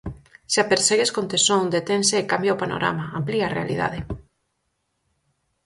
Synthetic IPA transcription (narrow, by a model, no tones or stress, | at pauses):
ʃapeɾseɣeskont̪esoŋd̪et̪enseːkambjawpano̰ɾa̰maampliarea̰lḭða̰ðe